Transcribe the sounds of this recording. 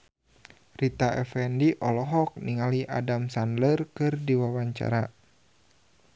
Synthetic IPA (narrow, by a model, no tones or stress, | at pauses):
rit̪aʔɛfɛndiʔɔlɔɦɔk̚niŋaliʔa̰damsandlərkɨrdiwawaɲt͡ʃa̰ɾa